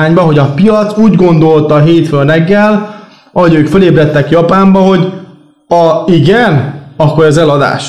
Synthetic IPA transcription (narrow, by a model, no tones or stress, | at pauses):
aːɲbɒɦo̞ɟɒpijɒt̪suːɟɡo̞nd̪o̞lt̪ɒɦeːt̪følnɛɡːɛl | ɒɦoɟøːkføleːbrɛt̪ːɛkjɒpaːmbɒɦo̞ɟ | ɒiɡɛnɒkːo̞ɾɛzɛlɒd̪a̰ːʃ